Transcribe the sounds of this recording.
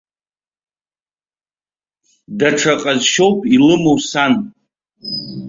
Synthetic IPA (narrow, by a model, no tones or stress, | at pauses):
daʈ͡ʂʰaqʼazʃo̞wpʼilɨmowsan